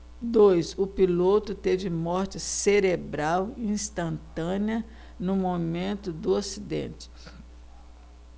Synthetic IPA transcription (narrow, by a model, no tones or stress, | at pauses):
d̪ojsʊpilot̪ʊt̪evɪmɔɾt͡ʃɪseɾebɾawĩst̪ɐ̃nt̪ɐ̃niɐ | nʊmomẽnt̪ʊd̪ʊasid̪ḛ̃t͡ʃɪ̥